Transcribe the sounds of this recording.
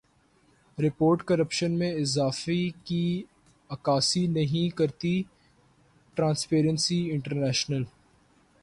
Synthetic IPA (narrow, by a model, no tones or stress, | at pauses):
ɾɪpoːɾʈkɐɾəpʃənmẽɪzaːfiki | ɐkaːsinɐɦĩkɐɾt̪i | ʈɾãːnspeːɾə̃nsiɪ̃ɳʈəɾnɛːʃnəl